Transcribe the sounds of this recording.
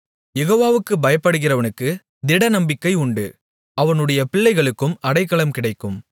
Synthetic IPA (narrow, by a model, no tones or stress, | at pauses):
jɛɣoːʋaːʋɯkːɯbɐjɐpːɐɽɯɣɪrɐʋɐnɯkːɯ | d̪ɪɽɐnɐmbɪkːɐɪʊɳɖɯ | ɐʋɐnɯɽɐjɐpɪɭːɐɪɣɐɭɯkːɯmɐɽɐɪkːɐɭɐmkɪɽɐɪkːɯm